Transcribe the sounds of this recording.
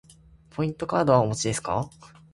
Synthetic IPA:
pʰo̞ĩnt̪o̞kaːd̪o̞βaomot͡ɕid̪e̞sɨ̥ka̰

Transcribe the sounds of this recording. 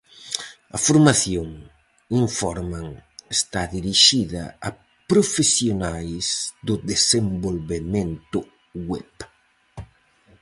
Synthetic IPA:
ɐ̰foɾmaθjoŋ | iɱfɔɾmaŋest̪aðiɾiʃiðɐ̰a | pɾofesjonajzd̪ʊd̪esembolβemẽnt̪ʊ | wɛp

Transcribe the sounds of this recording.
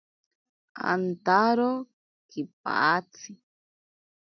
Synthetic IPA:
a̰nt̪aɾo | kip̚a̰ʔat͡si

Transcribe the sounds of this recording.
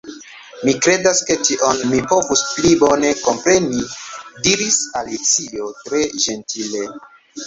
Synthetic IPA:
mikɾe̞daske̞tiʔonmipo̞vusplibo̞ne̞ko̞mpɾe̞nidiɾisalit͡sio̞tɾe̞ʒe̞ntile̞

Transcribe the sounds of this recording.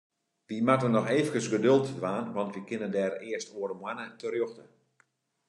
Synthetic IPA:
ʋimatənɔxeːvəkəsɡədølˠtdʋaːnʋɑntʋikɪnəndɛːɾɪəstoəɾəmwanətərjoxtə

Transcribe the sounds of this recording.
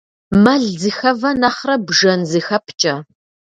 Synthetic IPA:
mɐɮzɨxɐvɐnɐχrɐbʐɐnzɨxɐpʰt͡ʃʼɐ

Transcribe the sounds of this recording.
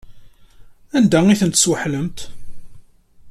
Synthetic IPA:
ænd̪æiθənt̪ə̥swəħləmt̪

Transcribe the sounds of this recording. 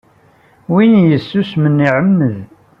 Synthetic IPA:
winjəsːusmənːiʕəmːəð

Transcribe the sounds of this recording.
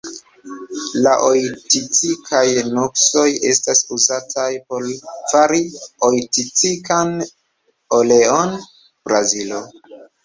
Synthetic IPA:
laʔo̞jtit͡sikʰajnokso̞je̞̰stasuzatʰajpo̞ɾfaɾio̞jtit͡sikan | ole̞o̞n | b̥ɾazilo̞

